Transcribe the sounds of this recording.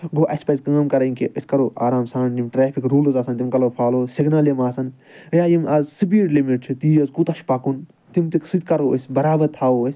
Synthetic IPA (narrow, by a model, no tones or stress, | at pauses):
ɡoːʔɐsʲpɐzʲkɐɐmkɐɾɐnʲkeʔɨsʲkɐɾoːʔaːɾaːmsanimʈɾeːpʰikɾuːlɨzaːsɐnt̪imkɐloːfʰaːloːsiɡnaːljimaːsɐn | jaːjimɐzsɨbiːɖlimiʈ̚t͡ʃʰit̪iːjɐzkut̪ɐʃpɐkun | t̪imt̪iksɨd̪ʲkɐɾoːəsʲbɐɾaːbɐɾt̪ʰaːoːəsʲ